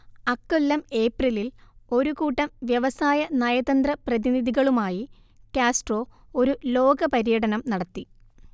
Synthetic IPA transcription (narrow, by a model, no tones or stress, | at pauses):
ɐkːolːɐme̞ːprililo̞ɾukuːʈːɐmʋjɐʋɐsaːjɐnɐjɐðɐnd̪rɐprɐðiniðiɣɐɭumaːji | kjaːsʈro̞ː | o̞ɾulo̞ːɡɐpɐɾijɐɽɐnɐmnɐɽɐt̪ːi